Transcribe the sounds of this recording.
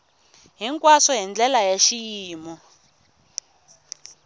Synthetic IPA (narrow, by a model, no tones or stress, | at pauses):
ɦiŋkʼwasɔɦind͡ɮɛlajaʃijiːmɔ